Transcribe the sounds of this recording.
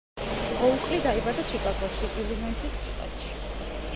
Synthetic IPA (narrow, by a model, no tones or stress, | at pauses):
ʁɔukʼlid̪aibad̪at͡ʃʰikʼaɡɔʃiʔilimɛnsʰist͡ʃqʼa̰t̪ʃi̥